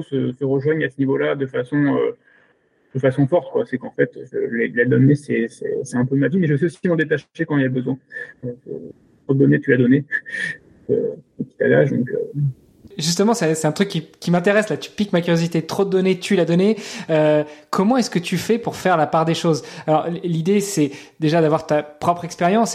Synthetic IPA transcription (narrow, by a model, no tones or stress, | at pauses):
səsəʁəʒwaɲasənivolad̪əfasɔ̃ø̰ | d̪̥əfasɔ̃fɔʁt̪kwasɛkɑ̃fɛt̪əlelad̪ɔnesɛsɛ̰sɛɛ̃pømavimɛʒəs̬ɛosimɔ̃d̪et̪̬aʃekɑ̃ilaləbəzwɛ̃økə̰ | t̪χod̪əd̪ɔnet̪ylad̪ɔne | kø̰ɔk̪i̥t̪a̰ɡaʃd̪ɔ̰̃kø̰ | ʒyst̪əmɑ̃sɛsɛt̪ɛ̃t̪χykʲːikʲimɛ̃t̪eʁɛslat̪y̥pikmakʲyʁjozit̪et̪χod̪əd̪ɔnet̪ʰylad̪ɔneøkɔmɑ̃ɛskət̪yfɛpuʁfɛʁlapaʁd̪eʃozalɔʁlid̪esɛd̪eʒad̪avwaʁt̪apχɔpχɛkspeʁjɑ̃s